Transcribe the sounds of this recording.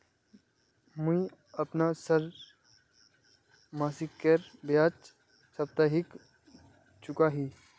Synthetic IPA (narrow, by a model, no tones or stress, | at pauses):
muĩ | ɐpnasəɾ | maːsikːeɾbjaːt͡ʃ | sɐb̚t̪aɦik | t͡ʃʊkaɦiː